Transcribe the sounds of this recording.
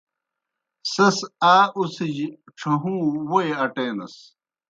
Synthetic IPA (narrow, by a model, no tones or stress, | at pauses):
sɐsaːʔusid͡ʑ | ʈ͡ʂʰɐɦũːwojɐʈeːnɐ̰s